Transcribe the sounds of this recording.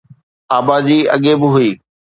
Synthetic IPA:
aːbaːd͡ʑiːɐ̰ɠebɪɦʊiː

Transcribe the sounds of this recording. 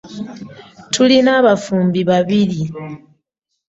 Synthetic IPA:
tʰulinaβafuːmbiβaβili

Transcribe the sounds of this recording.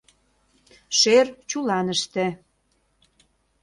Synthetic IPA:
ʃert͡ɕulɑnəʃt̪ĕ

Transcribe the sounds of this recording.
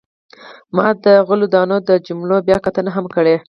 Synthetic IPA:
mɑ̰d̪əɣʊlud̪ɑnod̪əd͡ʒʊmlobjɑkat̪ənaɦamkəɽe

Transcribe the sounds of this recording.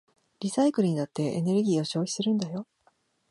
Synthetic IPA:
ɾʲisaikɯɾɯ̟ɲ̟inat̪ːe̞ʔḛne̞ɾɯ̟ɡʲiːo̞ɕo̞ːçi̥sɨɾɯ̟̃nd̪ajo̞

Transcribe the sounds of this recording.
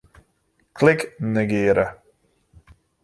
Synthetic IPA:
klɪknəɡɪːɾə

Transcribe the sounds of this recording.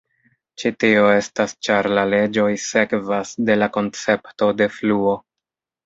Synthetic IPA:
t͡ʃitio̞e̞stast͡ʃaɾlale̞d͡ʒo̞jse̞kvasde̞lako̞nt͡se̞pto̞de̞fluo̞

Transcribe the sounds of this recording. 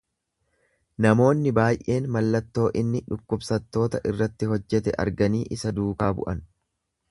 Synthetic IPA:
nɐmo̞ːnːɪbaːjʔe̞ːnmɐlːɐt̪ːo̞ːʔɪnːɪᶑʊkːʊbsɐt̪ːo̞ːt̪ɐʔɪrːɐt̪ːɪɦɔd͡ʒːɛt̪ɛʔɐ̰ɾɡɐniːʔɪsɐd̪uːkaːbʊ̰ʔɐn

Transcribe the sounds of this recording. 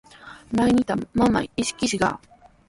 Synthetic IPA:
naiɲit̪amama̰iɕi̥kʲiɕiɡa̰

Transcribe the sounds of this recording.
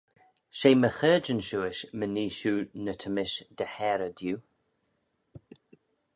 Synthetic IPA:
ʃeːməxəːd͡ʒənʃuːɪʃməniːʃuːnət̪ʰəmɪʃd̪əhɛːɾəd̪juː

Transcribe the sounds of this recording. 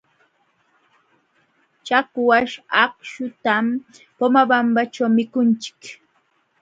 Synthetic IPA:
t͡ʃakwaʂakʃʊt̪am | pomabambaʈ͡ʂawmɪkʊnt͡ʃɪ̥k

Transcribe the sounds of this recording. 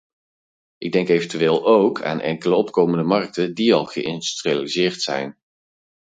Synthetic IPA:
ʔɪɡ̚dɛŋkejvəntyʋeːlˠowkʰa̰ːnʔɛ̰ŋkələɔpkowməndəmɑrk̚tədiɑlˠχə̰ɪ̰ndystrializɪːrtsɛ̰jn

